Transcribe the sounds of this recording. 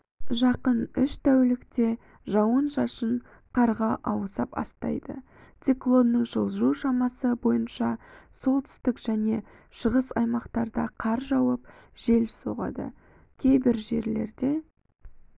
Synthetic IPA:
ʒɑqənʏʃt̪ʰæwlɪkt̪e̞ | ʒɑwənʃɑʃəɴ | qʰɑɾʁɑʔɑwsɑpɑ̰st̪ɑ̰jd̪ə̰ | t̪siklˠo̞nːəɴʒəlˠuʃɑmɑsəbo̞jənʃɑso̞lˠt̪ʰʏ̥st̪ɪkʒ̥æne̞ | ʃəʁəsɑjmɑqt̪ɑɾd̪ɑqʰɑɾʒɑwəp̚ʒ̥e̞lso̞̰ʁɑ̰d̪ə̰ | kʲʰe̞jbɪɾʒe̞ɾle̞̰ɾd̪e̞

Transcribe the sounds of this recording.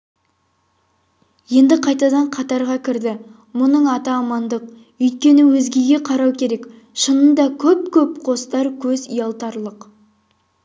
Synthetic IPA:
je̞nd̪ɪqʰɑjt̪ɑd̪ɑɴqʰɑt̪ɑɾʁɑkʲʰɪɾd̪ɪ | mʊnəɴɑt̪ɑːmɑnd̪əq̚ | ʏjt̪̚kʲe̞nɪwɵzɡʲe̞ɡʲe̞qʰɑɾɑwkʲʰe̞ɾe̞k | ʃənənd̪ɑkʲʰɵp̚kʲʰɵpqʰo̞st̪ɑɾkʲʰɵzḭjɑlˠt̪ɑɾlˠəq

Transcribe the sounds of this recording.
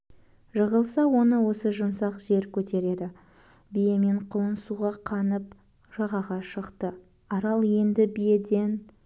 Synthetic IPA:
ʒəʁəlˠsɑwo̞nəwo̞səʒʊmsɑqʒe̞ɾkʲʰɵt̪e̞ɾe̞d̪ɪ | bijeme̞ɴqʰʊlˠənsuʁɑqʰɑnəp̚ | ʒ̥ɑʁɑʁɑʃəqt̪ə | ɑɾɑlˠje̞nd̪ɪbijed̪e̞n

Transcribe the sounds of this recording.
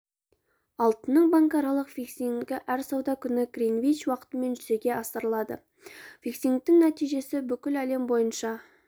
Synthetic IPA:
ɑlˠt̪ənːəɴbɑŋkɑɾɑlˠəqfiksiŋɡʲɪʔæɾsɑwd̪ɑkʲʰʏnɪɡriŋvijt͡ʃwɑqə̥t̪əme̞nʒʏze̞ɡʲe̞ɑsəɾəlˠɑd̪ə̰ | viksiŋk̚t̪ɪŋnæt̪ijʒe̞sɪbʏkʲɪlæle̞mbo̞jənʃɑ

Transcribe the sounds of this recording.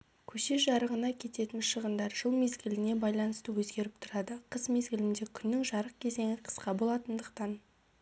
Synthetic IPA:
kʲʰɵʃeʒɑɾəʁənɑkʲʰe̞t̪e̞t̪ɪnʃəʁənd̪ɑɾʒ̥əlˠme̞zɡʲɪlɪne̞bɑjlˠɑnəst̪əwɵzɡʲe̞ɾɪp̚t̪ʰʊɾɑd̪əqʰəzme̞zɡʲɪlɪnd̪e̞kʲʰʏnːɪŋʒɑɾəq̚kʲʰe̞ze̞ŋɪqʰə̥sqɑbo̞lˠɑt̪ənd̪əq̚t̪ɑn

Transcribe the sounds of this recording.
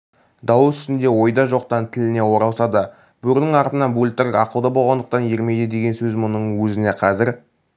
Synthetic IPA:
d̪ɑwsʏ̥st̪ɪnd̪e̞wo̞jd̪ɑʒo̞qt̪ɑnt̪ʰɪlɪne̞wo̞ɾɑlˠsɑd̪ə | b̥ɵɾnɪŋɑɾt̪ənɑnbulʲt̪ɪɾɑqəwd̪ɑbo̞lˠʁɑnd̪əq̚t̪ɑnjeɾme̞jd̪ɪd̪e̞ɡʲe̞nsɵzmʊnəɴwɵzɪne̞qʰɑzɪɾ

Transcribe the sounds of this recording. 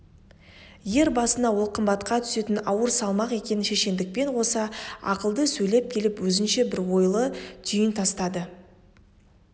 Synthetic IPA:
je̞ɾbɑsənɑwo̞lˠqʰəmbɑt̪qɑt̪ʰʏ̥se̞t̪ɪnɑwəɾsɑlˠmɑqe̞kʲe̞nɪnʃe̞ʃe̞nd̪ɪk̚pe̞nwo̞sɑɑ̰qəlˠd̪əsɵjle̞p̚kʲʰe̞lɪpwɵzɪnʃe̞bɪɾwo̞jlˠət̪ʰʏjɪnt̪ʰɑst̪ɑd̪ə

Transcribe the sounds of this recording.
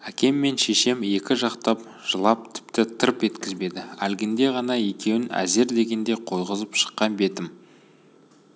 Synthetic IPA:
ækʲe̞mːe̞nʃe̞ʃe̞me̞kʲɪʒɑqt̪ɑp̚ | ʒ̥əlˠɑp̚t̪ʰɪ̥pt̪ɪt̪ʰəɾpe̞t̪kʲɪzbe̞d̪ɪælɡʲɪnd̪e̞ʁɑnɑje̞kʲe̞wɪnæ̰ze̞ɾd̪e̞ɡʲe̞nd̪e̞qʰo̞jʁəzəpʃə̥qːɑnbe̞t̪ɪm

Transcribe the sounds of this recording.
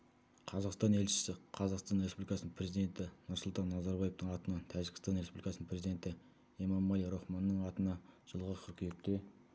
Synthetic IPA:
qʰɑzɑqst̪ɑne̞lʃɪ̥sɪqʰɑzɑqst̪ɑnɾe̞spublikɑsnəpʰre̞zijd̪e̞nt̪ɪnʊɾsəʊlˠt̪ɑnːɑzɑɾbɑje̞ft̪əɴɑt̪ənɑt̪ʰæʒɪɡʲɪ̥st̪ɑnɾespublikɑsnəmprɾe̞zid̪e̞nt̪ɪ | emɑmːɑlˠijɾoχmɑnːəɴɑt̪ənɑʒ̥əlˠʁəqʲʰʏɾkʲʰijek̚t̪e̞

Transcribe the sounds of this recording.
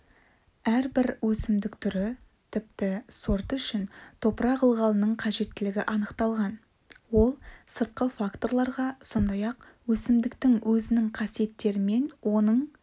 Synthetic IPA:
æɾbɪɾwɵsɪmd̪ɪkt̪ʰʏɾɪ | t̪ʰɪp̚t̪ɪsoɾt̪ʏʃɪnt̪ʰo̞pəɾɑʁəlˠʁɑlˠənəɴqʰɑʒe̞t̪ːɪlɪɡʲɪʔɑnəqt̪ɑlˠʁɑn | wo̞lˠsəɾt̪̚qəfakt̪o̞rɾlˠɑɾʁɑso̞nd̪ɑjɑq̚ | wɵsɪmd̪ɪkt̪ɪŋwʔɵzɪnɪŋqʰɑsije̞t̪ːe̞ɾɪme̞nwo̞nəɴ

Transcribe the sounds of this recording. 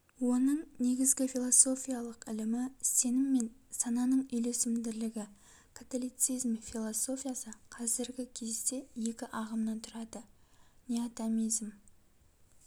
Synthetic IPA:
wo̞nəɴne̞ɡʲɪzɡʲɪfilˠoso̞fʲijalˠəqɪlɪmɪse̞nɪmːe̞nsɑnɑnəɴʏjle̞sɪmd̪ɪɾlɪɡʲɪ | kʰat̪olʲijt̪sijzmfilˠoso̞fʲijasəqʰɑzɪɾɡʲɪkʲʰe̞zd̪e̞je̞kʲɪʔɑʁəmnɑnt̪ʰʊɾɑd̪ənʲeat̪amijzm

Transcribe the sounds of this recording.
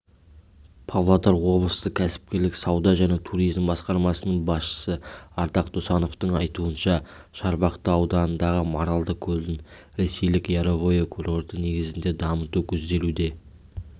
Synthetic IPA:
pʰavlˠat̪ɑɾwo̞blˠə̥st̪əkʲʰæsɪ̥p̚kʲe̞ɾlɪksɑwd̪ɑʒæne̞t̪ʰuɾijzmbɑsqɑɾmɑsənəɴbɑsʃə̥səɑɾd̪ɑqd̪osɑno̞ft̪əɴɑjt̪uənʃɑ | ʃɑɾbɑqt̪əɑwd̪ɑnənd̪ɑʁəmoɾɑlˠd̪əkʲʰɵlɪn | ɾe̞se̞jlɪkjɑɾovo̞jekʰuro̞ɾd̪əne̞ɡʲɪzɪnd̪e̞d̪ɑmət̪ukʲʰɵzd̪e̞lud̪e̞

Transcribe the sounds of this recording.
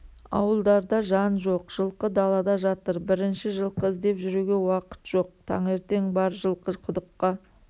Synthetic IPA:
ɑ̰wəlˠd̪ɑɾd̪ɑʒɑnʒo̞qʒ̥əlˠqəd̪ɑlˠɑd̪ɑʒɑt̪əɾbɪɾɪnʃɪʒəlˠqəɪzd̪e̞pʒʏɾuɡʲe̞wɑqə̥t̪ʒ̥o̞q̚t̪ʰɑ̰ɴe̞ɾt̪e̞ŋbɑɾʒəlˠqəqʰʊd̪əqːɑ

